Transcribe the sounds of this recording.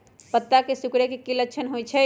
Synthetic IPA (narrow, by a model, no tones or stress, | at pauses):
pət̪ːakesukɽekekiləkːt͡ʃʰənɦojt͡ʃʰɛ